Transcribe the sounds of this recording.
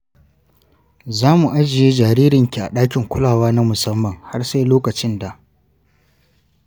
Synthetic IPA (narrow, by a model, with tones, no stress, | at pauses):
zaː˦mu˨ʔa˦d͡ʒɪ˨jeː˦d͡ʒaː˨ɾiː˦ɾɪ˨ŋkʲi˨ʔa̰˨ɗaː˦k̬ʲɪ˨ŋkʷʊ˦laː˨waː˦na˦mʊ˨sɐ˦mːɐ˨ŋha˦rse˦jloː˦kɐ˨t͡ʃɪ˦nda˨ʔ